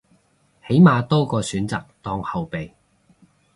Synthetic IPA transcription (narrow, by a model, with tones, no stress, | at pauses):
he˨˥jmaː˨t̪o˥wkɔː˧syː˨˥nt͡sa̰ː˨k̚t̪ɔː˧ŋhɐ˨wpe˨j